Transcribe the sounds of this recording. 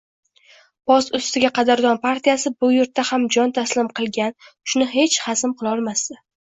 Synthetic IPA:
pɒsʊst̪ɪɡʲaqɑd̪aɾd̪ɒnpaɾt̪ʰijasɪbʊjʊɾt̪ʰːahamd͡ʒɒnt̪ʰaslɪmqʰɨlˠɡʲanʃʊnɪɦe̞t͡ʃhasɪmqɨlˠɒlˠmasd̪ɪ

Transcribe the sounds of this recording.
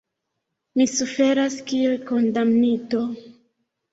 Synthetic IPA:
misufe̞ɾaskielko̞ndamnito̞

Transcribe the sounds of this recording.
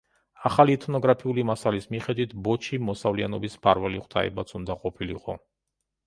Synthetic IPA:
aχalit̪ʰnɔɡɾapʰiulimasalismiχɛd̪wit̪ʰbɔt͡ʃʰimɔsavlianɔbispʰaɾvɛliχʰʼt̪ʰa̰ɛ̰bat̪sʰund̪aqʼɔpʰilḭqʼɔ

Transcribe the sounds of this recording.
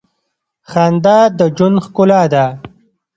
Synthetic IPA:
xand̪aːd̪əd͡ʒunxkʊlaːd̪a

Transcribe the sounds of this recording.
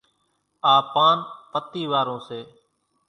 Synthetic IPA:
aːpaːnpət̪iːʋaːɾõːseː

